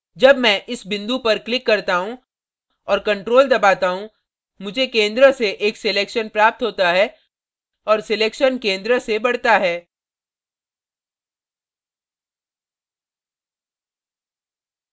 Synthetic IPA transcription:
d͡ʒɐbmɛ̃ːʔɪsbɪ̃nd̪upɐɾklɪkːɐɾt̪aɦũ | ɔːɾkɐ̃ɳʈɾoːld̪ɐbaːt̪aɦũ | mʊd͡ʒʱekẽːnd̪ɾəseʔeːksɪleːkʃənpɾaːp̚t̪ɦoːt̪aɦɛː | ɔːɾsɪleːkʃənkẽːnd̪ɾəsebɐɽ̤t̪aɦɛː

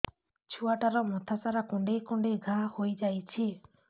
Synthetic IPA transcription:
t͡ʃʰuaʈaɾɔmɔt̪ʰasaɾakɔ̃ɳɖejkɔ̃ɳɖeɡʱahojd͡ʒajt͡ʃʰi

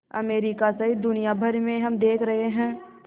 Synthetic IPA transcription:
ɐ̰meːɾikasɐɦid̪ʊnijabʱɐɾmẽɦɐmd̪eːkʰɾɐɦeɦɛ̃ː

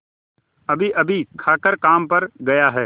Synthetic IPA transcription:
ɐbʱiʔɐbʱikʰaːkəɾkaːmpɐɾɡɐjaɦɛː

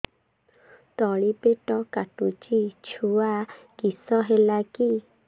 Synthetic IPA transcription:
t̪ɔɭipeʈɔkaʈut͡ʃit͡ʃʰua | kisɔɦelaki

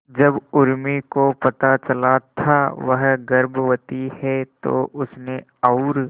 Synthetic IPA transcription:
d͡ʒɐbʊɾmikopɐt̪at͡ʃɐlat̪ʰaʋəɦɡɐɾbʋət̪ihɛt̪o̰ʔʊsne | ɔʊɾ

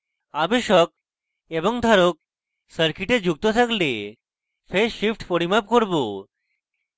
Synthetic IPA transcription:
abeʃɔk̚ | eboŋd̪ʱaɾok̚ | səɾkiʈed͡ʑuk̚t̪ot̪ʰakle | fʰeʃipʰʈpoɽimap̚koɾbo

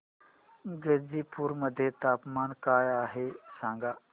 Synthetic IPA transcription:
ɡəɾd͡ʒiːpuɾməd̪ʱjet̪aːpmaːnkaːjaːɦesãːŋɡaː

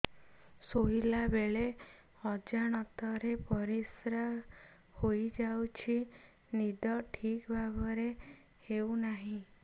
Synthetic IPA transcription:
soɦilabeɭe | ɔd͡ʒaɽ̃ɔt̪ɔɾepɔɾisɾa | hojd͡ʒawt͡ʃʰi | nid̪ɔʈʰikbʱabɔɾe | hewnaɦĩ

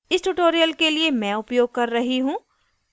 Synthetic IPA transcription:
ɪsʈuʈoːɾijəlkeliemɛ̃ːʊpjoːɡ̚kɐɾːɐɦiɦũː

